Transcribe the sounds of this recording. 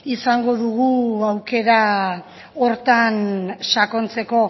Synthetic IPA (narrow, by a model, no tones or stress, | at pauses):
isaŋɡo̞ðuɣ̞uawke̞ɾa | o̞ɾt̪anʃako̞nt͡se̞ko̞